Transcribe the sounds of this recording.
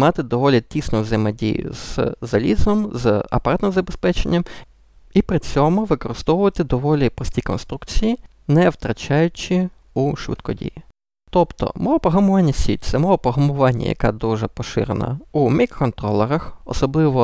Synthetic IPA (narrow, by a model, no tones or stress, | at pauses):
mɑt̪ɪd̪ɔʋɔlʲit̪ʲisnʊzɪmɛdʲḭjʊ̰zzɐlʲizɔmzɐ̰pɐɾɑt̪nɪmzɐbespɛt͡ʃenʲːɐm | ipɾɪt͡sʲɔmʊʋɪkɔɾɪst̪ɔwʊʋɐt̪ɪd̪ɔʋɔlʲipɾɔsʲtʲikɔnst̪ɾukt͡sʲiji | nɛwt̪ɾɐt͡ʃɑjʊt͡ʃʲi | uʃʋɪ̰t̪kɔdʲḭji | t̪ɔpt̪ɔ̰mɔɔpɔɦɐmʊʋɑnʲːɐsʲḭt̚ʲt̪sɛmɔʋɔpɔɦɐmʊʋɑnʲːɐ̰jɐ̰kɛ̰d̪uʒɛpɔʃɪ̰ɾḛnɐ̰umʲikːɔnt̪ɾɔlˠɛɾɐxɔ̰sɔblˠɪʋɔ